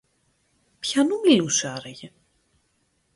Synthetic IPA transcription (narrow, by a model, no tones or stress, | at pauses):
pçɐnumilusɐɾɐʝe